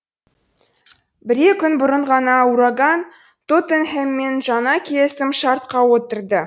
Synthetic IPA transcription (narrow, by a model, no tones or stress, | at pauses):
bɪɾekʲʰʏnbʊɾəɴʁɑnɑuɾɑɡɑn | t̪ot̪enhemːe̞nʒɑnɑkʲʰijesɪmʃɑɾt̪̚qɑwot̪əɾd̪ə